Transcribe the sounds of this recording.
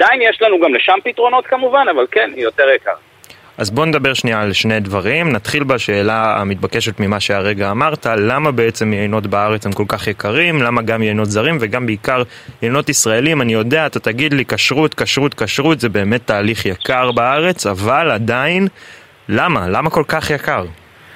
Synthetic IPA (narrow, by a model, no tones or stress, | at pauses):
ad̥̪ainjeʃlanuɡamleʃampit̪ʁo̞no̞t̪kamuvanavalkenjot̪eʁjaka̰ʁ | ʔazbo̞ne̞d̪abe̞ʁʃnialʃnejd̪vaʁimnat̪χilbaʃe̞ːlaa̰mit̪̚bake̞ʃet̪mimaʃeaʁe̞ɡaːmaʁtalamabeet͡se̞mjeino̞t̬baaʁe̞t͡shemko̞lkaχjekaʁimlamaɡamjeino̞t̪zaʁimveɡambeikaʁ | jejno̞tisʁae̞limanijo̞deaːt̪at̪aɡidleikaʃʁutkaʃʁutkaʃʁut̪zebe̞ːmet̪ːaːliχjakaʁbaaʁe̞t͡savalad̪ain | lamalamako̞lkaχjakaʁ